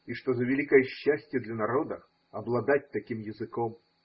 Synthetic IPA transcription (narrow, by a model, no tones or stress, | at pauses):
iʂt̪ɔzɐvʲɪlʲikəjɛɕːasʲtʲjɛd̪lʲɐnaɾɔd̪ɐ | ɐblˠad̪at̚ʲt̪akʲimjɪzɨkɔm